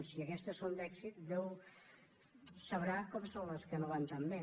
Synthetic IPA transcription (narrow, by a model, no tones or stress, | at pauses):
nsiəkɛst̪əsond̪ɛksit̪d̪ɛw | səβɾakɔmsõnləskənoβant̪ammɛ